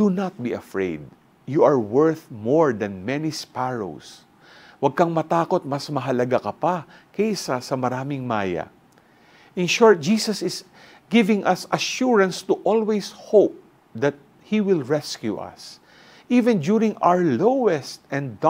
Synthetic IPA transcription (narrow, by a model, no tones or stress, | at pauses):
d̪̥unɐt̪̚biɐfɹḛjd̪̚ | juʔɐɹwɛɹθmɔɹd̪ɐ̃nmɛnispaɹo̰ws | wɐɡ̚kɐŋmɐt̪aːkot̪̚mɐsmɐɦɐlɐɡakɐpakɛʔsasɐmɐɾaːmɪŋmaːjɐ̰ | ʔɪ̃nʃɔɹt̪̚d͡ʒiːsɐsɪs | ɡɪvɪ̃ŋʔɐsɐʃuɹɐ̃nst̪uʔɔlwejshowp̚ | d̪ɐt̪̚ | hiwɪlɹɛskjuʔɐ̰s | ʔiːvɛ̃ndjuɹɪ̃ŋa̰wɹlowɛst̪ɛ̃nː